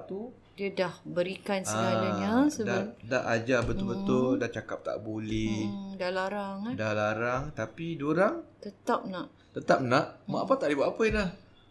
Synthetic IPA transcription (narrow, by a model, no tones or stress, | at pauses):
t̪u | diədahbəɾikansaalaəsədadaʔad͡ʒabət̪ʊlbət̪ʊldaʔt͡ʃakap̚t̪a̰ʔbulɪhdalaɾaŋdalaɾaŋt̪apidoɾaŋt̪ət̪ap̚naʔ | t̪ət̪ap̚naʔma̰ʔapat̪aʔlibwat̪apəilah